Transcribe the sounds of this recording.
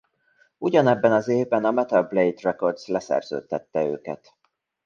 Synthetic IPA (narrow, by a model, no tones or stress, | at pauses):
uɟɒnɛbːɛnɒzeːvbɛnɒmɛt̪ɒlblejt̪rɛko̞rd̪zlɛsɛ̰rz̥ø̰ːt̪ːɛt̪ːɛø̰ːkɛ̰t̪